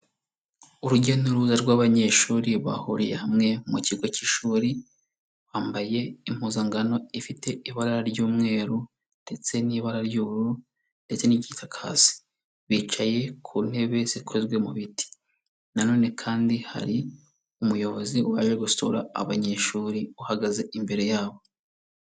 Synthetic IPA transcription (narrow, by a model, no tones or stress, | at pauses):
uɾuɟenuɾuzaɾɡwaːβaɲe̞ʃuːɾiβa̰huɾijehamŋe̞muciɡo̞ciʃuːɾi | waːmbaje̞im̥uːzaŋɡano̞ifite̞iβaɾaɾaɾɟuːmŋe̞ːɾu | nde̞t͡se̞niːβaɾaɾɟuːɾu | nde̞t͡se̞nicitʰakʰa̰ːsi̥ | βiːt͡ʃaje̞kʰuːn̥he̞βe̞z̥ikʰo̞zɡwe̞muβiti̥ | nano̞ːne̞kʰaːndiha̰ɾi | umujo̞βo̞ziuβa̰ːʒe̞ɡustoɾa̰a̰βaɲe̞ʃuːɾiuhaɡaze̞ʔimbe̞ɾe̞jaːβo̞